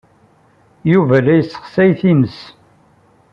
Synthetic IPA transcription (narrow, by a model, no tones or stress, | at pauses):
juvælæjəsːə̥χsæjθiməs